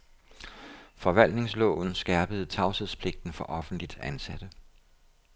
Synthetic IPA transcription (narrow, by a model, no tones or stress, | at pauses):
fɒ̽ʋæl̰d̥ne̝ŋslɔ̰ːʊn̩sɡ̥æɐb̥əð̞̩ˠt͡sʰɑ̈ʊseðˠspʰle̝ɡ̥̚d̥n̩fɒ̽ʔɒ̽fn̩d̥lid̥ænsæd̥ə